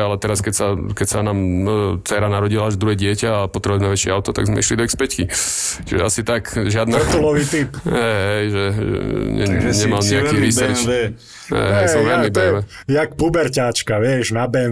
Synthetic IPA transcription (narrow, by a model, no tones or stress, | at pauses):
alɛt̪ɛɾaskɛcsakɛcsanaːmt͡sɛɾanaɾɔɟilaaʒd̪ɾuɦɛɟɪɛcaːpɔt̪ɾɛbujɛmɛʋɛt͡ʃɪɛaʊt̪ɔt̪aɡzmɛ̰ḭʃlid̪ɔispɛckit͡ʃiʒɛasit̪akʒɪad̪nat̪ulɔʋiːt̪ipɦɛɦɛjʒɛʒɛ̰ɲɛ̰ɲɛmalɲɛakiːʋiːsɛɾ | ɛ̰ɦɛsɔmɦɛmibɛʋɛ | jak̚pubɛɾcaːt͡ʃkaʋɪɛʒnabɛ